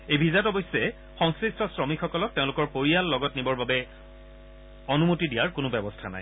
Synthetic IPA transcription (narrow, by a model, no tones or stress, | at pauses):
ejbʱizatɔbɔjsːɛ | xɔŋsɹistʰɔsɹɔmikʰxɔkɔlɔk̚teʊ̃lʊkɔɹpoɹijalːɔɡɔtnibɔɹbabɛ | onumutidijaɹkʊnʊbɛbɔstʰana̰j